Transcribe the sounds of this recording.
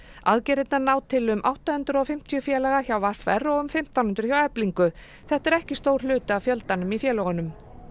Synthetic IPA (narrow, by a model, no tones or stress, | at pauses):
aðcɛɾɪt̪nanaːwt̪ʰɪlʏmʔa̰wht̪ahʏnt̪ɾɔfɪm̥t̪ʰijʏfjɛːlaɣaçawvaɾ̥θvɛrːɔʏmfɪm̥t̪awnhʏnt̪ɾ̥çjawɛpliŋkʏ | θɛht̪ɛɾɛhcɪst̪owɾ̥lʏːt̪ʏavfjœlt̪anʏmifjɛːlɔɣʏnʏm